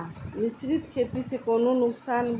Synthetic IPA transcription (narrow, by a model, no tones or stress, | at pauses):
nisɾit̪kʰet̪isekononʊksanb